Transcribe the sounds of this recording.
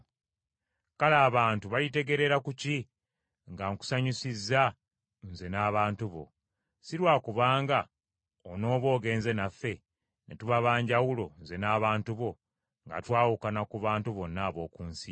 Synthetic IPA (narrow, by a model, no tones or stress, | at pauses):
kalaːβaːntuβalite̞ɡe̞ɾe̞ɾakuci | ŋɡaŋku̥saɲisizːa | nze̞naːβaːntuβo̞̰ | siɾwaːkuβaːŋɡa | ono̞ːβo̞ːɡe̞ːnze̞nafːe̞ | nḛtuβaβaːɲɟawulo̞nze̞naːβaːntuβo̞ | ŋɡa̰twaːwukanakuβaːntuβo̞nːaːβo̞ːkuːnsi